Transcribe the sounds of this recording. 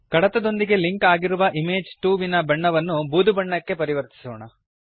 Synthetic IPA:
kɐɽɐt̪ɐd̪o̞nd̪iɡe̞liŋkaːɡiɾuʋɐʔimeːd͡ʒʈuːʋinɐbɐɳːɐʋɐnːubuːd̪ubɐɳːɐkːe̞pɐɾiʋɐɾt̪i̥sɔːɳɐ

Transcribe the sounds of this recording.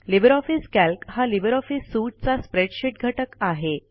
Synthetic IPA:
libəɾɔfiskælkhalibəɾɔfisːuʈ̚t͡saspɾeɽɕiʈ̚ɡʱəʈəkaɦe

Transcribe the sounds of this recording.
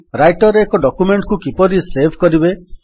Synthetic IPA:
ɾajʈɔɾeːkɔɖɔkumeɳʈkukipɔɾisebʱkɔɾibe

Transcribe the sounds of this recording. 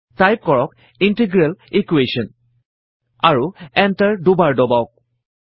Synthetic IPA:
tajp̚kɔɹɔk | intiɡɹalikwesɔn | aɹuɛntaɹdʊbaɹdɔbawk̚

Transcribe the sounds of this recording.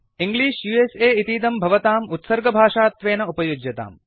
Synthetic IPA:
iŋɡliːʃjuːeːseːit̪iːd̪ɐmbʱɐʋɐt̪aːmut̪sɐɾɡɐbʱaːʂaːt̪ʋeːnɐupɐjud͡ʒjɐt̪a̰ːm

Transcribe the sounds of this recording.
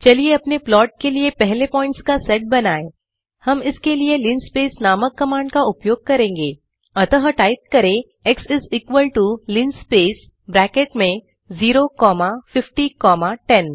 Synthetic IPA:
t͡ʃɐlieɐpneplɔːʈ̚keliepɛɦlepɔ̃ːɪ̃ɳʈskasɛʈ̚bɐnaːe | hɐmɪskelielɪnspeːsnaːməkːɐmãːɳɖkaʊpjoːɡ̚kɐɾẽːŋɡeː | ɐt̪əɦəʈaːɪt̪̚kɐɾẽ | ɛksɪziːkʋəlʈulɪnspeːs | bɾɛːkeʈmẽ | ziːɾokɔːmafɪfʈikɔːmaʈɛn

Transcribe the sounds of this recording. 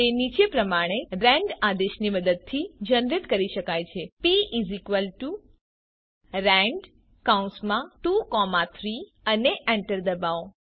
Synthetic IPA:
t̪enit͡ʃepɾəmaɽ̃eɾɛ̃ɳɖad̪eʃniməd̪əd̪̚t̪ʰid͡ʒənɾɪt̪kəɾiʃəkajt͡ʃʰepiʔizikʋəlʈu | ɾɛ̃ɳɖ | kaũnsmãʈukɔmat̪ʰɾi | əneʔɛɳʈəɾd̪əbao

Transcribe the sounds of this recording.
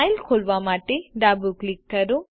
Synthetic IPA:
ajlkʰoɭʋamaːʈeɖaːbuklik̚tːɐɾu

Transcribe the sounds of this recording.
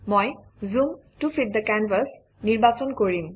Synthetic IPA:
mojzumtufʰit̚d̪əkanvəs | niɹbasɔnkoɹim

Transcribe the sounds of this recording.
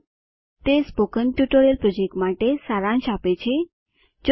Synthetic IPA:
t̪espokənʈjuʈoɾijəlpɾɔd͡ʒek̚ʈmaʈesaɾãnʃapet͡ʃʰe | d͡ʒ

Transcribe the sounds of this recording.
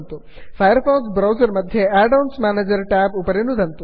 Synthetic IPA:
nt̪u | fʰajəɾfɔksbɾawzəɾməd̪ʱːjeaɖonsmaned͡ʒəɾʈabupəɾenud̪ʱənt̪u

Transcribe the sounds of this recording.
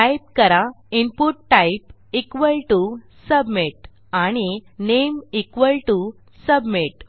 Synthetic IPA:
ʈajp̚kəɾa | impuʈːajp | ikʋəlʈu | səbmiʈ | aɽ̃inemikʋəlʈu | səbmiʈ̚

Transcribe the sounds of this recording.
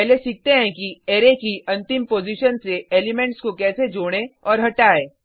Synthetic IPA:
ɛɦlesɪk̚t̪eɦɛ̃kieːɾekiʔɐ̃nt̪ɪmpoːziʃənseeːlɪmɛ̃ɳʈskokɛːsed͡ʒoːɽ̃eɔːɾɦɐʈaːeː

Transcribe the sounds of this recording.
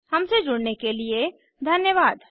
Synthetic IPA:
hɐmsed͡ʒʊɽnekelie | d̪ʱɐnjəʋaːd̪

